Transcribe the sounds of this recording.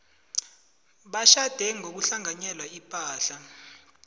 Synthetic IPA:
ɓaʃad̥ʱɛŋok̬uɬaŋaɲɛlwaipʼaːɬa

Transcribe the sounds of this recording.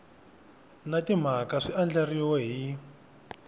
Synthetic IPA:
natim̤akaʂiand͡ɮariwɛɦi

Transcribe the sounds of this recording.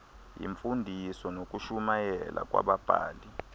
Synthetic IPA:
jḭɱfundʱisɔnok̬ʼuʃumajɛlʔa̰k̬ʼwa̰ɓab̥ʱaːli

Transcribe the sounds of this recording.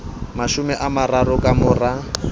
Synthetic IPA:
maʃʊmɛʔamaraɾʊkʼamʊra

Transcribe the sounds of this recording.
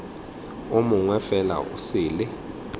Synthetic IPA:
omuŋwɛfɛla̰ʔusiːlɪ

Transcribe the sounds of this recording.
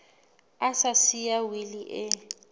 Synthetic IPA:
asasijawiliʔɛ

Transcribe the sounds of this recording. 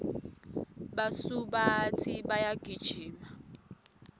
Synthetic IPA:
basubat͡sʼibajaɡ̥ʱid̥ʒ̥ʱiːma

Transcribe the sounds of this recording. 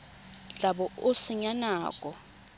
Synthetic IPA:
ɮaɓɔosɪɲanaːkʼɔ

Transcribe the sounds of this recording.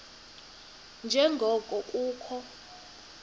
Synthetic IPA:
nd͡ʒʱɛŋɡʱɔkʼɔʔʼuːkʰɔ

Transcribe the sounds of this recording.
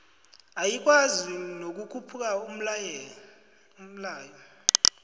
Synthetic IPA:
ajik̬ʼwazinok̬ʼukʰupʰuk̬ʼaum̩lɛ | um̩laːjɔ

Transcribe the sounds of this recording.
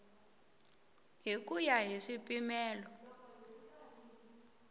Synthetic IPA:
ɦik̬ujaɦiʂipʼimɛːlɔ

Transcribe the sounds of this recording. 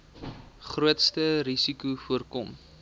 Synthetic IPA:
χruətstəɾisikufuərkɔm

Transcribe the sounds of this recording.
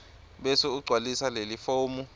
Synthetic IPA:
ɓɛsuuɡ͡ǀʱwalisalelifoːmu

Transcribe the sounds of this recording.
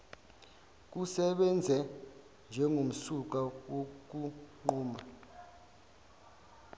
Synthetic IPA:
k̬usɛɓɛnd͡zʱɛ | nd͡ʒʱɛŋom̩suk̬awok̬uuːma

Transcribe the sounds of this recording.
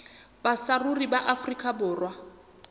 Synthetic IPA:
basaruribaʔafrikʼabʊːrwa

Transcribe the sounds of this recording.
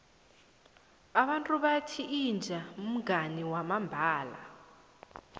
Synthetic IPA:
aɓantʼuɓatʰiːnd͡ʒʱam̩ɡʱaniwamambʱaːla̰

